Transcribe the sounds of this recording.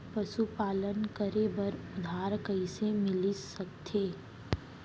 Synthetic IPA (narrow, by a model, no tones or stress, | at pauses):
pɐʃupaːlənkəɾebɐɾʊd̪ʱaːɾkəisemɪlisɐkt̪ʰeː